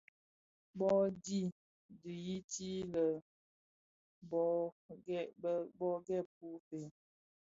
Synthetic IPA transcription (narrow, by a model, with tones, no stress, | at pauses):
bɔ˦di˦˨ | dʉ˨ji˦ti˦lə˨ | bɔ˦ɛ˦˨˦bɔ˦ɡɛ˦˨p̚u˦fe˨